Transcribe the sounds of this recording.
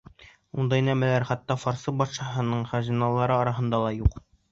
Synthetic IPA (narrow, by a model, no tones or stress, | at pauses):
und̪ɑinæmælæɾχɑt̪ːɑfɒɾsɤbɒt̪ʃɑɦɤ̆nɤɴχæʑinɑlˠɑɾɤɒɾɑɦɤ̆nd̪ɑlˠɑjuq